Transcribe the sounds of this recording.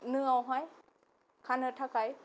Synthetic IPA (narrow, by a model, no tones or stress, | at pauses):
nɯawɦɔj | kʰanɯːt̪ʰakaj